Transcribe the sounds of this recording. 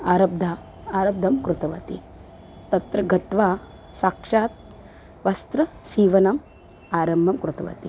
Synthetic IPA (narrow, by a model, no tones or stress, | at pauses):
aːɾɐb̚d̪ʱaː | aːɾɐb̚d̪ʱɐmkɾut̪ɐʋɐt̪i | t̪ɐt̪ɾɐɡɐt̪ʋaː | saːkʂaːt̪̚ | ʋɐst̪ɾɐsiːʋɐnɐm | aːɾɐmbʱɐmkɾut̪ɐʋɐ̰t̪i